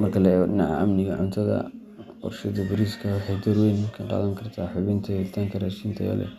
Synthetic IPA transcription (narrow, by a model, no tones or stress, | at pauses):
mɐrkʰɐlɛɛɣɔɖɪnɑʕɑ̰ʔɐmnɪɣɐʕʊnt̪ʰɐðɐ̰ | ɔ̰rʃɐðɐbɐɾiːskʰɐwħɑjd̪ɐrwɛjŋkʰɐɖɑ̰ːlɐŋkʰɐrt̪ʰaːħʊβɪnt̪ʰɐjɛlɪt̪ʰaːŋkʰɐɾaːʃiːnt̪ʰɐ̰jɐ̰lɛ̰